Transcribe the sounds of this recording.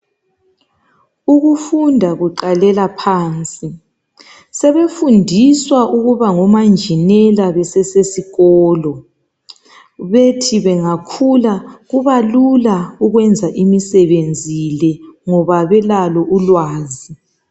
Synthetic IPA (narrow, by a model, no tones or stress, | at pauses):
uɣufundʱaɣuǃalɛlapʰaːnt͡sʼi | sɛβefundʱiswaʔuɣuβaŋɔmand͡ʒʱinɛlaβɛsɛsesiɣɔːlɔ | βetʰiβɛŋakʰulaɣuβalulauɣwɛnd͡zʱaʔimisɛβend͡zʱilɛŋɔβaβɛlalɔʔulwaːzi